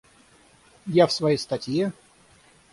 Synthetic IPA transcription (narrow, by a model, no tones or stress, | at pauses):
jafsvɐjejst̪ɐtʲje